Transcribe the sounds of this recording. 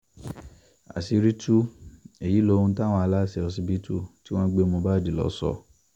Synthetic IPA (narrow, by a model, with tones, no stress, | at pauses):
a̰˨si˧ɾi˦tu˦e˨ji˨˦lo˧˦ũ˧˦ta˦w̃ɔ̃˧a˧la˦˨sɛ˧ɔ˧s̬i˧bi˦tu˦˨ti˦w̃ɔ̃˦ɡ͡be˦mõ˧ba˦˨di˨lɔ̰˨˦sɔ̰˧˨